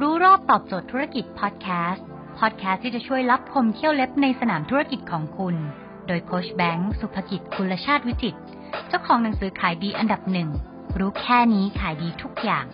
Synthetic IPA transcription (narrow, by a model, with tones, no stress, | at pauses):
ɾuː˦˥ɾɔː˥˩p̚t̪ɔː˨˩p̚t͡ɕoː˨˩t̪ʰːuː˦˥ɾa˥˩ki˨˩t̪̚pʰɔː˦˥t̪̚kʰɛː˦˥s | pʰɔː˦˥t̪̚kʰɛː˦st̪ʰːiː˥˩t͡ɕa˨˩t͡ɕʰu˥˩əjla˦˥p̚kʰo˧mt̪ʰi˥˩əwle˦˥p̚na˧jsa˧naː˩˦mt̪ʰu˦˥ɾa˥˩ki˨˩t̪̚kʰɔː˩˦ŋkʰu˧n | doː˧jkʰoː˦˥sbɛ˦˥ŋsu˨˩pʰːa˧ki˨˩t̪̚kʰu˧lːa˧t͡ɕʰaː˥˩t̪̚wi˦˥si˨˩t̪̚ | t͡ɕa˥˩wkʰɔː˩˦ŋna˩˦ŋsɯː˩˦kʰaː˩˦jdiː˧ʔa˧nda˨˩p̚nɯ˨˩ŋ | ɾuː˦˥kʰɛː˥˩niː˦˥kʰaː˩˦jdiː˧t̪ʰu˦˥k̚jaː˨˩ŋ